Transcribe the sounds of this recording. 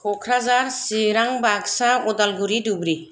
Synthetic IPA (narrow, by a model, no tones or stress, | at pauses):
kʰɔkʰɾazaɾsiɾaŋbaɡsaɔdalɡuɾidubɾi